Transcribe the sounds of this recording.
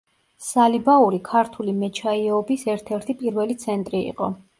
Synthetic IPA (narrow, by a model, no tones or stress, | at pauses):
ssalibauɾikʰaɾt̪ʰulimɛt͡ʃʰaiɔbisɛɾt̪ʰɛɾt̪ʰipʼiɾvɛlit̪sʰɛnt̪ʼɾiḭqʼɔ̰